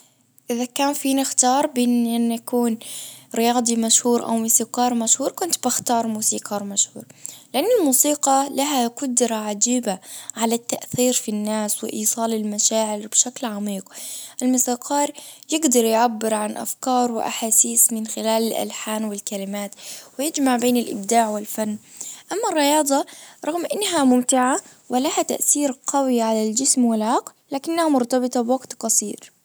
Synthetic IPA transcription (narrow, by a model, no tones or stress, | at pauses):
ʔɪðakaːnfiːnɪxt̪ɑːɾˤbɪnʔɪnːʔakuːnɾɪjɑːd̪ˤimaʃhuːɾʔa̰wmʊsiːqɑːɾˤmaʃhuːɾkʊnt̪baxt̪ɑːɾˤmuːsiːqɑːɾmaʃhuːɾˤlɪʔanːɪlmuːsiːqɑlaɦaqʊd̪ɾaʕad͡ʒiːbaʕalat̪ːaʔθiːɾfinːaːswɪ̰ʔiːsˤɑːlɪlmaʃaːʕɪɾbʃaklʕamiːqʔɪlmʊsɑːqɑːɾˤjɪɡd̪ɑɾˤjʕabːɪɾʕanʔa̰fkɑːɾˤwɪʔa̰ħaːsiːsmɪnxɪlaːlɪlʔa̰lħaːnwɪlkalɪmaːt̪wɪjɪd͡ʒmaʕbeːnɪlʔɪ̰b̚d̪aːʕwɪlfanːʔamːarˤːɪjɑːd̪ˤɑɾˤɑɣmʔɪnːɦamʊmt̪ɪʕa | wɪlahat̪a̰ʔθiːɾqɑwɪʕalald͡ʒɪsmwɪlʕɑq | laːkɪnːahamʊɾt̪ɑbɨt̪ˤɑbwaɡt̪qɑsˤiːɾ